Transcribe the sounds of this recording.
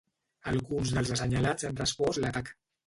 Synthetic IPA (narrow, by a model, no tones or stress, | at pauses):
alɣunzðəlˠzəsəɲalat͡sənrəspɔslat̪ak